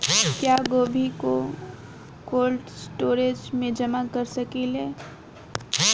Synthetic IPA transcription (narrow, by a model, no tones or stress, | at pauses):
kjaːɡoːbʱiko | koːlʈsʈoːɾeːd͡ʒmẽd͡ʒɐmakɐɾsɐkeleː